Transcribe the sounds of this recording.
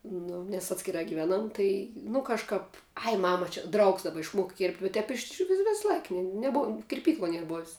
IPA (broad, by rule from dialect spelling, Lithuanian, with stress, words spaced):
ˈnʊ nʲɛs ˈɑːtʲsʲkʲɪrɑː ɡʲɪˈʋʲæːnɐm ˈtɐɪ nʊ kɐʃˈkɑːp ɐɪ ˈmɑːmɐ t͡ʃʲɛ ˈdrɐʊks dɐˈbɐ ɪʃˈmuɔkɐ kʲeːrʲpʲtʲ ʊ ˈtʲɛp ɪʃʲˈʋʲɪ ˈʋʲɛs ˈlˠɐɪk nʲɛˈbuɔm kʲɪrʲˈpʲiːklˠoːj ˈnʲiɛr ˈboːwsʲ